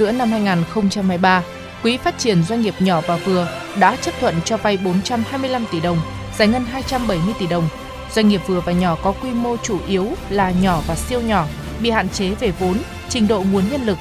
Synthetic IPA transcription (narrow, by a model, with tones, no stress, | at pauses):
zɨ̰˧˥əna˧mhaː˧jŋaː˨˩nxə˧wŋ͡mt͡ɕa˧mhaː˧jɓaː˧ | kwi˨˦faː˦˥t̚t͡ɕi˧˩ənzwa˧jŋ̟ŋi˨˩əp̚ɲɔ˧˩vaː˨˩vɨ˨˩ə | ɗa̰ː˧˥t͡ɕə˦˥p̚t̪ʰwə̰˧˨nt͡ɕɔ˧va˧jɓo˨˦nt͡ɕa˧mhaː˧jmɨ˧əjla˧mt̪i˧˩ɗə˨˩wŋ͡m | zaː˨˩jŋə˧nɦaː˧jt͡ɕa˧mɓə˧˩jmɨ˧əjt̪i˧˩ɗə˨˩wŋ͡m | zwa˧jŋ̟ŋi˨˩əp̚vɨ˨˩əvaː˨˩ɲɔ˧˩kɔ˨˦kwi˧mo˧t͡ɕu˧˩ʔi˨˦əwlaː˨˩ɲɔ˧˩vaː˨˩si˧əwɲɔ˧˩ | ɓḭ˧˨ha̰ː˧˨nt͡ɕe˨˦ve˨˩vo˨˦n | t͡ɕï˨˧˩ŋ̟ɗo̰˧˨ŋu˨˦ənɲə˧nlɨ˨˩k̚